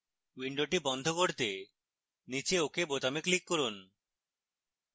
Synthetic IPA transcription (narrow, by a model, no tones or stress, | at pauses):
wiɳɖoʈibɔnd̪ʱokoɾt̪e | nit͡ɕeokebot̪ameklikːoɾun